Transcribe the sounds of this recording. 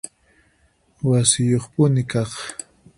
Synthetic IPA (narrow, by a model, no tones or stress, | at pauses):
wasɪjoχpʊnɪkɑχ